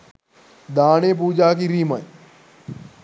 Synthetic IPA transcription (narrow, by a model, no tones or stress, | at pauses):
d̪aːneːp̬uːd͡ʒaːk̬iɾiːma